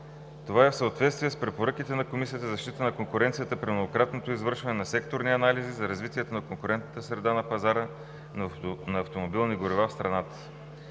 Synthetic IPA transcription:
t̪ovaɛfsəot̪vɛt̪st̪viɛspɾɛpoɾɤk̟it̪ɛnɐkomisijət̪əzɐʃt̪it̪ənɐkoŋkʊɾɛnt̪sijət̪əpɾimnoɡokɾat̪not̪oizvɤɾʃvɐnɛnɐsɛkt̪oɾniɐnalizizɐɾɐzvit̪iɛt̪onɐkoŋkʊɾɛnt̪nət̪əsɾɛd̪anɐpɐzaɾə | nɐːft̪omobilˠniɡoɾivafst̪ɾɐnat̪ə̥

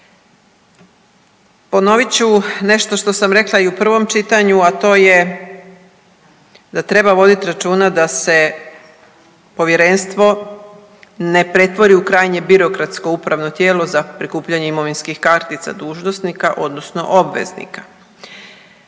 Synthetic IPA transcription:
po̞no̞ʋit͡ɕune̞ʃt̪o̞ʃt̪o̞samɾe̞klˠaiupr̩ʋo̞mt͡ʃit̪aɲuat̪o̞ːje̞ | d̪at̪ɾe̞baʋo̞d̪it̪iɾat͡ʃuːnad̪ase̞ | po̞ʋje̞ɾe̞nst̪ʋo̞ | ne̞pɾe̞t̪ʋo̞ɾiukɾaːjɲe̞biɾo̞kɾat̪sko̞upɾaʋno̞t̪je̞ːlo̞zapɾikuːpʎaɲeimo̞ʋinskixkaɾt̪it̪sa̰d̪uːʒnosnikaʔo̞d̪no̞sno̞̰ʔo̞bʋḛznḭkḁ

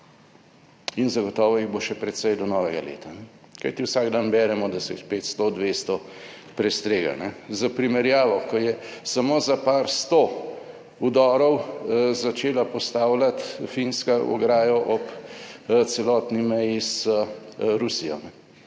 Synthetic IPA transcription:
inzɐɡɔt̪ɔːʋɔiɣboʃɛpɾɛt̪sɛjd̪ɔnɔʋɛɡalḛːt̪anɛ | kajt̪iwsaɡd̪anbɛːɾɛmɔd̪asɛspeːt̪st̪od̪ʋeːst̪ɔ | pɾɛst̪ɾeːɡa̰nɛzapɾimɛɾjaːʋɔkɔjɛsamoːzapaːɾst̪o | ud̪ɔːɾɔwzat͡ʃeːlapɔst̪aːwlat̪finskaʔɔ̰ɡɾaːjɔʔɔp | t̪sɛlɔːt̪nimɛjisəɾusijɔ̰nɛ

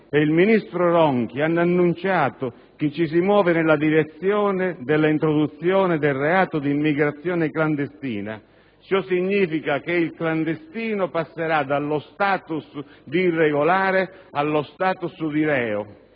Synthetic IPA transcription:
eilminist̪ɾʊɾɔŋkianːanːunt͡ʃaːt̪ʊ | k̟ɪt͡ʃːis̬imwɔːvɪnɪlːad̪iɾet̪sːjɔːnɪd̪ɪlːaint̪ɾod̪ut̪sːjɔːnɪd̪ɪlrɛaːt̪ʊd̪iːmːiɡɾat̪sːjɔːnɪkland̪est̪ḭːna̰ | t͡ʃɔsːiɲːiːfikak̟ɪilkland̪est̪iːnʊpasːeɾad̪alːʊst̪aːt̪usd̪irːeɡolaːɾɪalːʊst̪aːt̪usd̪iɾɛːʊ

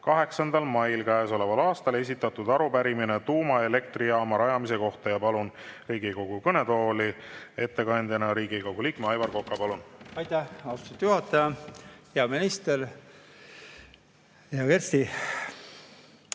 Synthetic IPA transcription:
kɑɦe̞ksɑnd̪ɑlmɑjlkæeso̞levɑlɑːst̪ɑle̞s̬ʲit̪ːˑɑt̪ud̪ɑɾupæɾiminet̪uːmɑe̞le̞k̚t̪riɑːmɑɾɑjɑmise̞ko̞ht̪ɑjɑpɑlunriːɡiko̞ɡ̥ukɤne̞t̪o̞ːli | e̞t̪ːe̞kɑnd̪ʲjɑnɑɾiːɡiko̞ɡ̥uliːkmeɑjvɑrko̞kːɑpɑlunɑjt̪ːæhɑsu̥t̪ut̪ːjuhɑt̪ːˑɑjɑheɑminist̪eɾ | jɑkeɾst̪i

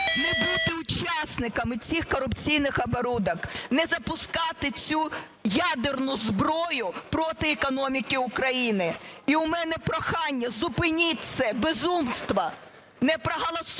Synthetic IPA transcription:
nɛbut̪ɪʊt͡ʃɑsnɪkɐmɪt͡sʲixkɔɾʊpt͡sʲijnɪxɐbɔɾud̪ɐknɛzɐpʊskɑt̪ɪt͡sʲu | jad̪ernʊzbɾɔjʊpɾɔt̪ɪɛkɔnɔmʲikɪʊkɾɐjinɪiʊmɛnɛpɾɔxɑnʲːɐzʊpɪnʲitʲsɛbezumst̪ʋɐ | nɛpɾɐɦɐlˠɐs

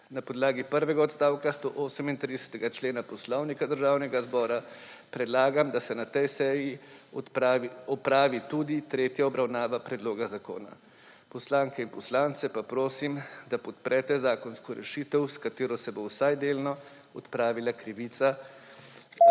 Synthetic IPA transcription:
napɔd̪laːɡipəɾʋɛɡaɔt̪st̪aːwkast̪oːʔoːsəmint̪ɾid̪ɛsɛ̥t̪ɛɡat͡ʃleːnapɔslɔwnikad̪əɾʒaːwnɛɡazbɔːɾapɾɛd̪laːɡamd̪asɛnat̪ɛjsɛji | aiɔpɾaːʋit̪ud̪it̪ɾeːt̪jaɔbɾawnaːʋapɾɛd̪loːɡazako̰ːna̰ | pɔslaːŋkɛinpɔslaːnt̪sɛpapɾoːsimd̪apɔt̪̚pɾʔɛːt̪ɛzaːkɔnskɔɾɛ̰ʃiːt̪əwskat̪eːɾɔsɛbowsajd̪eːlnɔ | ɔt̪pɾaːʋilakɾiʋiːt̪sa

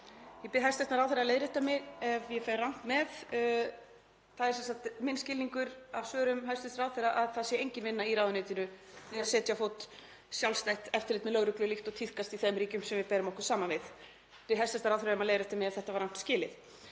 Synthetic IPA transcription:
jɛpɪɦɛ̥st̪ɛht̪naɾawθɛɾaðleːjðɾɛht̪ːamɪɛvjɛfarawn̥t̪mɛð | θaðɛɾsɛnsat̪mɪnːscɪːlniŋkʏɾav̥svœːɾʏmɦɛst̪ɛst̪aɾawθɛɾaʔaðθaðsjɛejɲcɪnvɪnːaiɾaːðʏnɪːt̪ɪnʏθɪaðsɛːt̪jafowt̪ | sjawlst̪ajht̪ɛft̪ɪɾlɪːt̪mɛðlœɣɾʏklʏlixt̪ɔɣt̪ʰihkast̪iθɛmɾiːcʏmsɛmvɪðpɛːɾɪmɔhkʏɾ̥saːmanvɪð | pɪɦɛst̪ɛst̪ɾawθɛɾaɛmaðlejðɾɛht̪amɪɛvθɛht̪avaɾawn̥t̪scɪːlɪθ

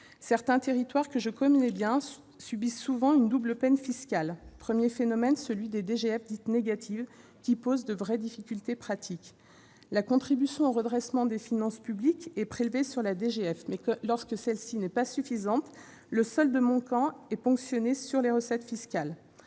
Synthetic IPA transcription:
sɛʁt̪ɛ̃t̪eʁit̪waʁkəʒəkɔmnɛbjɛ̃ | sybisːuvɑ̃ynd̪ubləpɛnfiskʲalpχəmjefenɔmɛnsəlɥid̪ed̪eʒeɛfd̪it̪neɡat̪ʰiv | kʲipozd̪əvʁɛd̪ifikʲylt̪epχat̪ʰikʲ | lakɔ̃t̪χibysjɔ̃oʁəd̪ʁɛsmɑ̃d̪efinɑ̃spyblikʲɛpχelvesyʁlad̪eʒeɛfmɛlɔʁskəsɛlsinɛpasyfizɑ̃t̪ | ləsɔld̪əmɔ̃kɑ̃ɛpɔ̃ksjɔnesyʁleʁəsɛt̪fiskʲal

